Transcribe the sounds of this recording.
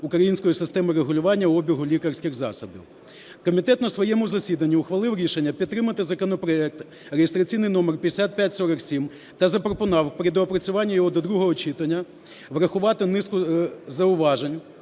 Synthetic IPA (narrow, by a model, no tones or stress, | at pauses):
ʊkɾɐjinʲsʲkɔjisɪst̪ɛmɪɾeɦʊlʲʊʋɑnʲːɐɔbʲiɦʊlʲikɐrsʲkʲɪxzɑ̰sɐbḭw | kɔmʲit̪ɛt̪nɐsʋɔjɛmʊzɐsʲid̪ɐnʲːiʊxʋɐlˠɪwɾʲiʃenʲːɐpʲid̪t̪ːɾɪmɐt̪ɪzɐkɔnɔpɾɔɛk̚t̪ | rejest̪ɾɐt͡sʲijnɪjnɔmerpʲjesʲat̪̚pʲjatʲsɔɾɐksʲim | t̪ɐzɐpɾɔpʊnɑwpɾʲɪd̪ɔːpɾɐt͡sʲʊʋɑnʲːɐjɔɦɔd̪ɔd̪ɾuɦɔɦɔt͡ʃɪt̪ɐnʲːɐ | ʋɾɐxʊʋɑt̪ɪnɪskʊzɐʊʋɑʒenʲ